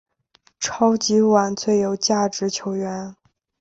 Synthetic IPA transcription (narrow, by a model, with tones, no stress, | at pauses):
ʈ͡ʂʰɑ˥ʊt͡ɕi˧˥wa˨˩˦nt͡sʰwe˥˩ɪjo˧˥ʊt͡ɕja˥˩ʈ͡ʂɻ̩˧˥t͡ɕʰjo˧˥ʊɥɛ˧˥n